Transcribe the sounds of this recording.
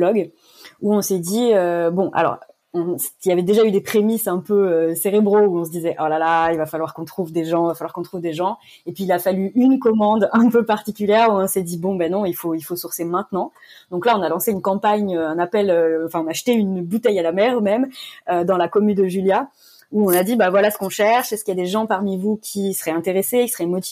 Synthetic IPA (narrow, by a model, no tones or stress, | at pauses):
lɔɡ | uɔ̃sɛd̪iøbɔ̃ʔa̰lɔ̰ʁ | ɔ̃silavɛd̪eʒayd̪epχemisɛ̃pøøseʁebʁouɔ̃s̬əd̪izɛʔɔlalailvafalwaʁkɔ̃t̪χuvd̪eʒɑ̃vafalwaʁkɔ̃t̪χuvd̪eʒɑ̃ | epɥiːlafalyʔynkɔmɑ̃d̪ɛ̃pøpaʁt̪ikʲyljɛʁuɔ̃sɛd̪ibɔ̃banɔ̃ilfoilfosuʁsemɛ̃t̪nɑ̃ | d̪ɔ̃klaɔ̃nalɑ̃seynkɑ̃paɲøɛ̃napɛløɑ̃fɛ̃ɔ̃naʃt̪eynbut̪ɛjalamɛʁmɛmød̪ɑ̃lakɔmynd̪əʒylja | uɔ̃nad̪ibavwalasə̥kɔ̃ʃɛʁʃɛskəiljad̪eʒɑ̃paʁmivukʲʰisə̥ʁɛɛ̃t̪eʁesekʲi̥sə̥ʁɛmɔt̪i